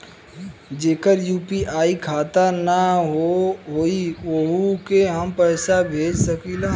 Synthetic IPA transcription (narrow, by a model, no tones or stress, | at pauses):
d͡ʒeːkəɾjuːpiʔaːikʰaːt̪ənaɦoɦoːiʋoɦukeɦəmpɛːsabʱeːd͡ʒsəkiːlaː